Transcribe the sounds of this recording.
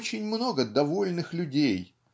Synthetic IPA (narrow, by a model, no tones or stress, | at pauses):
t͡ɕɪnʲmno̞ɡəd̪ɐvo̞lʲnɨxlʲʊdʲej